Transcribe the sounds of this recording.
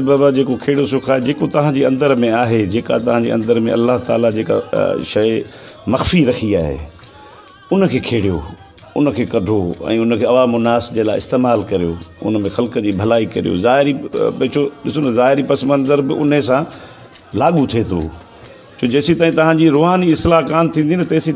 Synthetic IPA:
baːbad͡ʑeːkokʰeːɽosʊkʰaːed͡ʑeːkot̪ɐʋ̤ãd͡ʑiːɐ̃nd̪əɾmẽaːɦed͡ʑeːka̰t̪ɐʋ̤ãɲd͡ʑḭːɐ̰̃nd̪əɾmẽʔɐ̰lːaɦt̪a̰ːlad͡ʑeːka̰ʃɐjmɐxfiɾɐxʰiaːɦḛ | ʊnə̆kʰeːkʰeːɽijo̰ | ʊnə̆kʰeːkɐɖʱoɛ̰̃ːʊnəkʰeːɐʋaːmʊnaːsd͡ʑelaːɪɪ̰st̪eːmaːlkɐɾijo̰ʊ̰nəmẽxɐlkəd͡ʑiːbʱɐlaːikɐɾḭjo̰ːzaːɦɪɾibt͡ɕʰoːɗɪsozaːɦɪɾipɐsmɐ̃nzəɾbɪʔʊnəsã | laːɠut̪ʰeːt̪ʰo̰ː | t͡ɕʰoːd͡ʑɐːsit̪aːɦĩt̪ɐʋ̤ãɲd͡ʑiɾʊːɦaːniɪslaɦkaːmt̪ʰĩnd̪int̪ɐːsi

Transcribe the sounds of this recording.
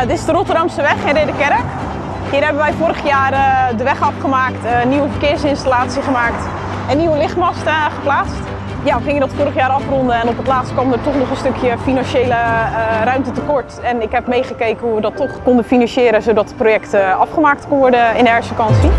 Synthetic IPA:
ətɪsdərotərdɑmstəʋɛχɪnrɪdəkɛɾək | hiːrɦɛbənʋɛjfʊːɾəχəjaːrədəʋɛχɑfχəmaːktnːiʋəfərkɪːɹsɪnstalaːtsiχəmaːkt | ənːiʋəlɪχtmɔstəχəplaːst | jaχɪŋjədɔtfʊːɾəχjaːɾɑfrɔndəɛnɔpətlaːtstkɔmdətɔχnɔχənstɵkʰjəfinɑnʃeːlərœɥmtətəkɔɹtɛnɪkɦɛpmejχəkejkənhuʋədɔtːɔχkondəfinɑnʃjɪːɾəzowdɔtə̥projɛktəɑfχəmaːk̚tknʋɔɹdəɪndɛɹsfəkɑnsi

